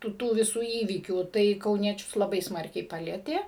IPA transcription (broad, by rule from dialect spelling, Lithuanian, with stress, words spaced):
ˈtuː ˈtuː ʋʲɪˈsuː ˈiːʋʲiːkʲuː tɐɪ kɐʊˈnʲiɛt͡ʃʲʊs lˠɐˈbɐɪ ˈsmɐrʲkʲɛɪ ˈpɑːlʲiɛtʲeː